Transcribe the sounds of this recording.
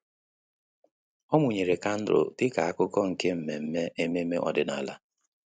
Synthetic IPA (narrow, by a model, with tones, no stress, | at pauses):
ɔ˦mʊ˨ɲe˨ɾe˨ka˦n̩˦dɾʊ̰˨tɪ˦ka˨a˦kʊ˦kɔ˦ŋ̩˨ke˦m̩˨me˨m̩˦me˦e˦me˦me˦ʔɔ̰˦dɪ˦na̰˨la˦